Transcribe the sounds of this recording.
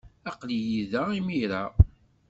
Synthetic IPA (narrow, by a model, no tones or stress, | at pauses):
ɑqlijiðæimiɾæ